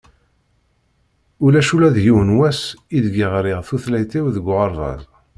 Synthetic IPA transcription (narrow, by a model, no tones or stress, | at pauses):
ulæʃulæðjiwnwæsiðɡiʁɾɪʁθuθlæjt̪iwðəɡʷʁɑɾˤðˤɑ̰z